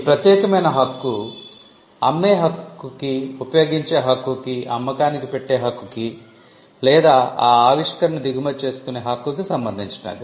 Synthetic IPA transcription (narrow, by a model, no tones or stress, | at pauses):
ipɾɐt̪jɛːkɐmɐjnɐɦɐkːu | ɐmːeːɦɐkːukiupɐjo̞ːɡiɲt͡ʃe̞ːɦɐkːukiʔɐ̰mːɐkaːnikipeʈːe̞ːɦɐkːuki | lɛːd̪aːaːaːʋiʂkɐɾɐnid̪iɡumɐt͡ʃe̞ːsu̥kuneːɦɐkːukisɐmbɐnd̪ʱiɲt͡ʃu̥na̰ːdi